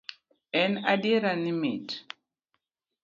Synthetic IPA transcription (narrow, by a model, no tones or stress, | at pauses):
ɛnadiɾanimit